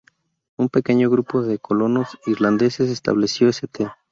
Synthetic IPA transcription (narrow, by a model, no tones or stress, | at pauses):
umpe̞ke̞ɲo̞ɣɾupo̞ðe̞ko̞lo̞no̞siɾland̪e̞se̞s̬est̪a̰βle̞sjo̞eset̪e